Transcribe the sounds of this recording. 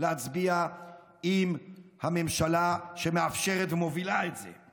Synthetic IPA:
leat͡sbia | imhame̞mʃalaʃemeafʃe̞ʁet̪vemovilaetzḛ

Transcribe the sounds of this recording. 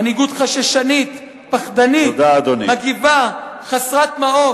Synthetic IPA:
aniɡut̪χaʃaʃanit̪ | paχd̪anit̪d̪aːd̪onimaɡivaχasʁat̪mao

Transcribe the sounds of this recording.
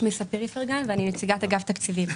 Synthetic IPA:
misapeʁifeʁɡanveaninet͡siɡat̪aɡaft̪akt͡sivim

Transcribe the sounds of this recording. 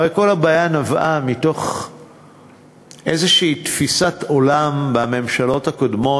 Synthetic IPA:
aʁejko̞labaːjanavamito̞χ | ʔezeʃiːtfisato̞lambame̞mʃalo̞thakodmo̞

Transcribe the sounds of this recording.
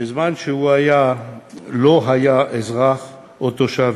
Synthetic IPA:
bezmanʃehuaja | loɦajaʔezʁaχ | ot̪oʃav

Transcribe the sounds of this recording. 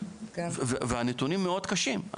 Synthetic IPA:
vveveanet̪unimːeo̞d̪kaʃim̰

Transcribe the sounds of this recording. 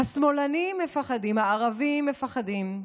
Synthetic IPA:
asmolanimːefaχadimhaaʁavimːefaχadim

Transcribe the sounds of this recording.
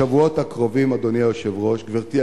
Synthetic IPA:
avuot̪hakʁo̞vimad̪oniajoʃevʁo̞ʃɡviʁt̪i

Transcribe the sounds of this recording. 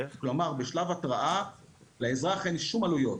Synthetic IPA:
klo̞maʁbeʃlavatʁaʔaleezʁaχenʃumalujo̞t

